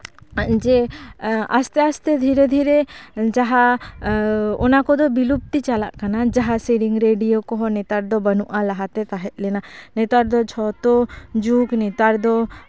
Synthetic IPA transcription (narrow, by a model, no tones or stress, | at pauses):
ʔd͡ʒɛ | a̰st̪ɛast̪ɛd̪ʱiɾɛd̪ʱiɾɛd͡ʒaɦa | ɔnakɔd̪ɔbilup̚t̪it͡ʃala̰ʔkanad͡ʒaɦasiɾiŋɾeɖijokɔɦɔnɛt̪aɾd̪ɔbənuʔalaɦat̪ɛt̪aɦɛt̪̚lɛnanɛt̪aɾd̪ɔt͡ʃʰɔt̪ɔd͡ʒuknɛt̪aɾd̪ɔ